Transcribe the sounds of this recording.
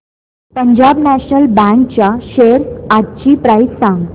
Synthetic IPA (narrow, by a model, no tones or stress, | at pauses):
pəɲd͡ʑabnæɕnəlbɛ̃ŋk̚t͡ɕjaɕeɾatt͡ɕiːpɾajssãŋɡ